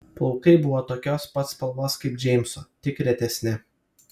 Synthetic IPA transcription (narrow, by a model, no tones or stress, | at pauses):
pʊlˠkɐɪbʊʋoːt̪oːkʲoːspɐt̪spɐlˠmoːskɐɪp̚d͡ʒʲɛɪmso̰t̪ʲɪkɾʲɛt̪ʲɛsʲnʲɪ